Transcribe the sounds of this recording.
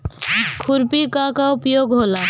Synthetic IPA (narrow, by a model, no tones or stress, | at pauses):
kʰuɾpikakaupjoɡɦola